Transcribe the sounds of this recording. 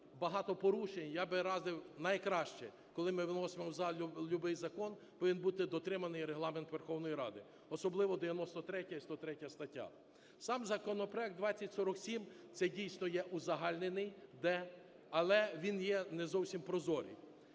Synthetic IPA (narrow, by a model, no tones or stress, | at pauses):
bɐɦɑt̪ɔpɔɾuʃenʲjɑbɪɾɑzɪwnɐjkɾɑʃt͡ʃɛ | kɔlˠɪmɪʋnɔsemɔwzɑlʲʊbɪjzɐkɔn | pɔʋʲinbut̪ɪd̪ɔt̪ɾɪmɐnɪjɾeɦlˠɑment̪ʋerxɔwnɔjiɾɑ̰d̪ɪ | ɔsɔblˠɪʋɔd̪eʋjɐnɔst̪ɔt̪ɾɛtʲɐist̪ɔt̪ɾɛtʲɐst̪ɐtʲːa̰ | sɑmzɐkɔnɔpɾɛɡd̪ʋɑt͡sʲːɐtʲsɔɾɔksʲimt̪sɛdʲijsnɔjɛʔuzɐɦɑlʲnenɪjd̪ɛ | ɐlˠɛʋʲinjɛnɛzɔwsʲimpɾɔzɔɾʲḭj